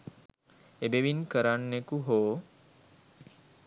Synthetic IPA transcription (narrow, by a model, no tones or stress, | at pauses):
ebeʋinkəɾanːekuɦoː